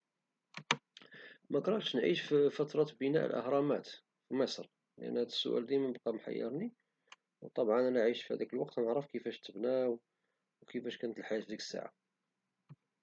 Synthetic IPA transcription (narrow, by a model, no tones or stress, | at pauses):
mækɾˤɑʃnʕḭʃfifæt̪ɾˤɑt̪bənæ̰ʔlʔə̰hɾˤɑmæt̪ | fiməsɾ | ləʔə̰nːhæd̪əsːʊ̰ʔæ̰ld̪imæəbqɑmħa̰jːɑ̰ɾˤni | wt̪ˤɑbʕɑnælæʕiʃfihæ̰d̪ækəlwɑqt̪nəʕɾəfkəfæʃt̪əbnæw | wkəfæʃkænət̪əlħajæt̪d̪ikə̥sːa̰ʕa̰